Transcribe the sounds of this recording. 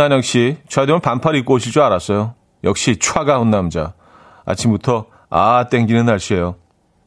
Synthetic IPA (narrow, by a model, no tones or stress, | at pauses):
anjʌk̚ɕ͈it͡ɕʰwademɯnpampʰaɾiik͈ooɕʰiɭt͡ɕ͈oaɾas͈ʌjo | jʌk̚ɕ͈it͡ɕʰwaɡaonːamd͡ʑa | a̰t͡ɕʰimbutʰʌ | a̰t͈e̞ŋɡinɯnaɭɕ͈ie̞jo